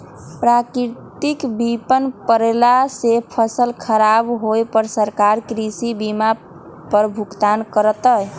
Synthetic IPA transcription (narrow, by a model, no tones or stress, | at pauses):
pɾakɾt̪ikbipənpəɾelasepʰəsəlkʰəɾabɦojpəɾsəɾkaɾkɾisibima | pəɾbʱukt̪ankəɾət̪əj